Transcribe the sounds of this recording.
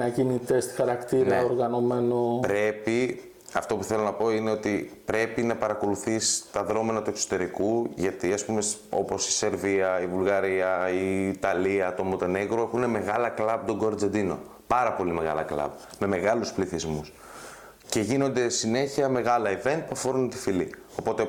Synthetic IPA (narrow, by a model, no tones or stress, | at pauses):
ɐcinit̪e̞st̪i̥xɐɾɐkt̪inɾɐeoɾɣɐno̞menopɾe̞pi | ɐft̪o̞puθe̞lo̞nɐpo̞ine̞o̞t̪ipɾe̞pinɐpɐɾɐko̞luθist̪ɐðɾo̞menɐt̪ue̞kso̞̥t̪e̞ɾikuʝɐt̪iɐspumeso̞̰po̞si̥se̞ɾviɐivulɣɐɾiɐiːt̪ɐliɐt̪o̞mot̪e̞neɣɾoexune̞me̞ɣɐlɐklɐb̚t̪oɡoɾd͡zed̪ino̞̰ | pɐɾɐpo̞lime̞ɣɐ̰lɐ̰klɐ̰b̚me̞me̞ɣɐluspliθizmus | ce̞ʝino̞nd̪e̞sine̞çiɐme̞ɣɐlɐive̞nt̪̚puɐfo̞ɾunt̪i̥fili | o̞po̞t̪e